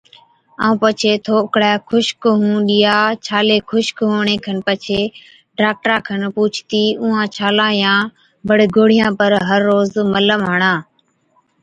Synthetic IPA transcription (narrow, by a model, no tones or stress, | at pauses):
a̰ːũːpət͡ʃʰeːt̪ʰoːkɽaːkʰʊʃkɦũːɗiːjaːt͡ʃʰaːleːkʰʊʃkɦoːɳeːkʰənpət͡ʃʰeː | ɖaːk̚ʈɾãːkʰənpuːt͡ʃʰt̪iːũːãːt͡ʃʰaːlãːjãː | bəɽɡoːɽ̤ɪjãːpəɾɦəɾːoːzmələmɦəɳãː